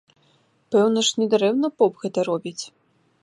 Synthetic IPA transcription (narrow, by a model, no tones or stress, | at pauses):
pɛwnɐʂnʲid̪ɾɛwnɐpɔpɣɛt̪ɐɾɔbʲit͡sʲ